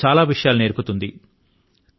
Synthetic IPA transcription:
aːlaːʋiʂɐjaːlune̞ːɾput̪und̪i

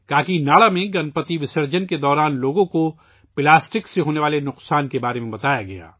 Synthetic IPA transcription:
t̪aːkinaːɭamẽɡɐnpət̪iʋɪsəɾd͡ʒənked̪ɔːɾaːnloːɡõko | pɪlaːsʈɪkseɦoːneʋaːlenʊqsaːnkebaːɾemẽbɐt̪aːjaɡɐ̰ja̰ː

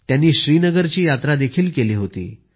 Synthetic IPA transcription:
t̪janːiːɕɾiːnəɡəɾt͡ɕiːjat̪ɾad̪ekʰiːlkeliːɦot̪ḭː

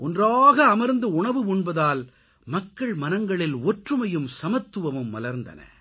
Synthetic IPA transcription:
ɔndraːɣɐːmɐɾnd̪ɯʊɳɐʋɯʊɳbɐðaːl | mɐkːɐɭmɐnɐŋɡɐɭɪlɔʈrɯmɐjɯmsɐmɐt̪ːɯʋɐmɯmːɐ̰lɐɾnd̪ɐ̰nɐ̰

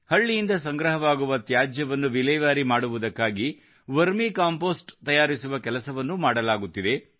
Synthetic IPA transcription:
hɐɭːijind̪ɐsɐŋɡɾɐɦɐʋaːɡuʋɐt̪jaːd͡ʒjɐʋɐnːuʋilɛjʋaːɾimaːɽuʋud̪ɐkːaːɡi | ʋɐɾmikaːmpoːsʈt̪ɐjaːɾisuʋɐkɛlɐsɐʋɐnːumaːɽɐlaːɡut̪ːid̪e̞

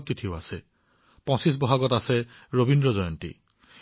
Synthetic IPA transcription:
t̚titʰioasɛ | pɔ̃sis̬bɔɦaɡɔtasɛ | ɹobindɹɔzɔjɔntḭ

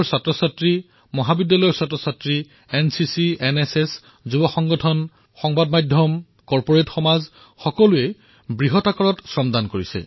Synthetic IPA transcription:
ɹsatɹɔsatɹi | mɔɦabidːalɔjɔɹsatɹɔsatɹi | ɛnsisieneses | zubɔxɔŋɡɔtʰɔn | xɔŋbadmajdʱjɔm | kɔɹpɔɹetxɔmaz | xɔkɔluɛ | bɹiɦɔtakɔɹɔtsɹɔmdankoɹisɛ̰

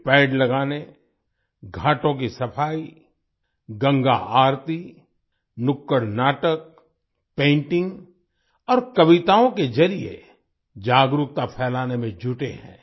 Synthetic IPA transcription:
pɛːɖlɐɡaːne | ɡʱaːʈõk̬isɐpʰaːi | ɡɐ̃ŋɡa̰aːɾt̪i | nʊkːəɽnaːʈək̚ | pẽːɳʈɪ̃ŋɡ | ɔːɾkɐʋɪt̪aːõkezɐɾiḛ | d͡ʒaːɡɾukt̪apʰɛːlaːnemẽd͡ʒʱʊʈeɦɛ̰̃ː

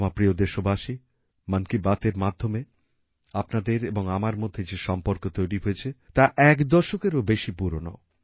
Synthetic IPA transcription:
mapɾiod̪eʃobaʃi | mankibat̪eɾmad̪ʱːome | apnad̪eɾeboŋamaɾmod̪ʱːed͡ʑeʃɔmpoɾkot̪ojɾiɦoet͡ɕʰet̪aʔɛkd̪ɔʃokeɾobeʃipuɾono̰

